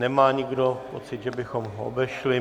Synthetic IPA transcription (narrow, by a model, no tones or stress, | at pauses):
nɛmaːɲɪɡdo̞po̞t͡sɪt̪ʒɛbɪxo̞mɦoo̰bɛʃlɪ